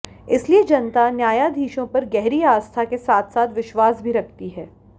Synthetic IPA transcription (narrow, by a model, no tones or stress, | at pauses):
ɪslied͡ʒɐnt̪anjaːjad̪ʱiːʃõpɐɾɡɛɦɾiaːst̪ʰakesaːt̪ʰsaːt̪ʋɪʃwaːsbʱiɾɐk̚ʰt̪iɦɛː